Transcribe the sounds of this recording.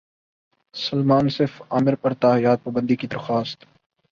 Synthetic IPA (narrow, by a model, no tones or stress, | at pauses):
sɐlmaːnsɪɾfaːmɪɾpɐɾt̪aːjaːd̪̚paːbə̃nd̪ikid̪ɐɾxaːst̪